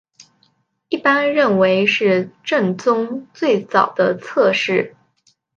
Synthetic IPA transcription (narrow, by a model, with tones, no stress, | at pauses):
i˥˩pa˥nɻə˥˩nwe˧˥ɪʂɻ̩˥˧ʈ͡ʂə˥˩nt͡sʊ˥ŋt͡swe˥˩ɪt͡sɑ˨˩ʊd̪̥ə˦t͡sʰɤ˥˧ʂɻ̩˥˩